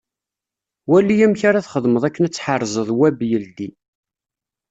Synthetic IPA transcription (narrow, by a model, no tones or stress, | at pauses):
wælːijæmçaɾaθχəðˤməðˤækːənæt͡sːħərˤːzˤəðˤwæbjəld̪i